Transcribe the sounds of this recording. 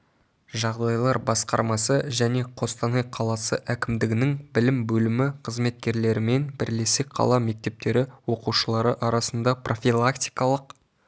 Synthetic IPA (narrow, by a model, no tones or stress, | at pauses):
ʒɑʁd̪ɑjlˠɑɾbɑsqɑ̰ɾmɑsəʒæne̞qʰo̞st̪ɑnejqʰɑlˠɑsəʔækʲɪmd̪ɪɡʲɪnɪŋbɪlɪmbɵlɪmɪqʰəzme̞t̪kʲe̞ɾle̞ɾɪme̞nbɪɾle̞sɪk̚qʰɑ̰lˠɑme̞k̚t̪e̞p̚t̪e̞ɾɪwo̞quʃəlˠɑɾəʔɑɾɑsənd̪ɑprʔo̞fʲilˠakt̪ʲijkɑlˠəq